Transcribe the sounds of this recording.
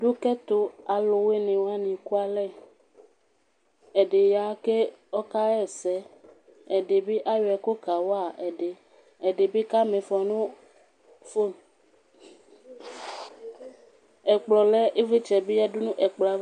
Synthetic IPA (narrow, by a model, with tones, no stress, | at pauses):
du˦kɛ˦t̪o˦a˨lo˨we˦nẽ˨wa˦nĩ˨ku˦a˨lɛ˦˨ | ɛ˨ɖe˨ja˨˦ke˦ | ɔ˦ka˦ɛ˦˨sɛ˦ | ɛ˨ɖe˨be˦ʔa˦jo˨ɛ˨ko˦ka˨wɔ˦a˨ɛ˨ɖe˨ | ɛ˨ɖe˨be˦ka˦mẽ˨fɔ˨nũ˦ | fo˦ | ɛ˨k͡plɔ˨lɛ˦ʔe˦ve˦t͡ʃɛ˨be˦ja˦ɖu˦nũ˦ʔɛ˨k͡plɔ˨a˨˦